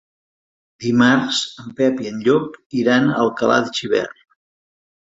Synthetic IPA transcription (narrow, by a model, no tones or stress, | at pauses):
d̪imaɾzəmpɛpiənʎɔpiɾanəlˠkəla̰ðt͡ʃiβɛ̰r